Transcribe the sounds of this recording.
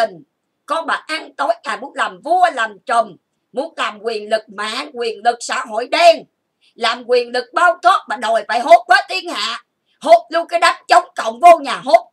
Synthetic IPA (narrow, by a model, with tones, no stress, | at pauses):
i˨˩ŋ̟ | kɔ˧ɓaː˨˩ʔa˧nt̪o˨˦jkaː˨˩mu˨˦ənlaː˨˩mvu˧əlaː˨˩mt͡ɕə˨˩ŋ͡m | mu˨˦ənlaː˨˩mkwi˨˩ənlɨ˨˩k̚ma̰ː˧˨kwi˨˩ənlɨ˨˩k̚sa̰ː˧˥ɦo̰˧˨jɗɛ˧n | laː˨˩mkwi˨˩ənlɨ˨˩k̚ɓaː˧wt̪ʰo˦˥t̚maː˨˩ɗo˨˩jfa̰ː˧˨jɦo˨˦˥t̚kwaː˨˦t̪i˧ənha̰ː˧˨ | ho˨˦˥p̚lu˧kaː˨˦jɗa˨˦ŋt͡ɕə˨˦wŋ͡mkə̰˧˨wŋ͡mvo˧ɲaː˨˩ɦo˦˥t̚